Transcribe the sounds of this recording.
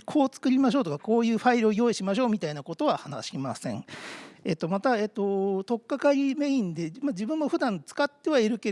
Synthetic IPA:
kʰo̞ːt͡sɨ̥kɯ̟ɾʲimaɕ̬o̞ːt̪okako̞ːjɯ̟ːɸaiɾɯo̞jo̞ːiɕimaɕ̬o̞ːmʲit̪ainako̞t̪o̞βahana̰ɕima̰sẽ̞̰ɴe̞t̪ːo̞mat̪ae̞t̪ːo̞t̪o̞kːakaɾʲime̞ĩnd̪e̞mad͡ʑibɯ̟̃mːo̞ɸɯ̟d̪ãnt͡sɨ̥kat̪ːe̞βaiɾɯ̟ke

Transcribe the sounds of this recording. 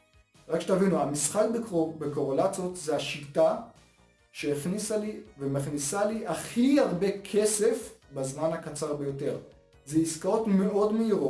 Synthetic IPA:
ʁakʃet̪avinuamisχakbebekoʁolat͡sotzeaʃita | ʃe̞eχnisalivemaχnisaliʔaχiaʁbe̞kʰe̞se̞fbazmanhakat͡saʁbe̞jo̞te̞ʁ | zeiskaʁo̞tme̞ʔo̞dmeiʁo

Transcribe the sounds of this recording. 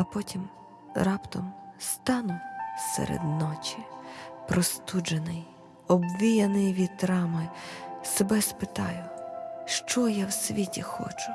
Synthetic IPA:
ɐpɔtʲʰim | ɾɑpt̪ɔmst̪ɑnʊsḛɾḛd̪nɔt͡ʃipɾɔst̪ud͡ʒenɪj | ɔbʋʲijɐnɪjʋʲit̪ɾɑmɪsebɛspɪt̪ɑjʊʃt͡ʃɔjawsʲʋʲitʲixɔ̰t͡ʃʊ̥

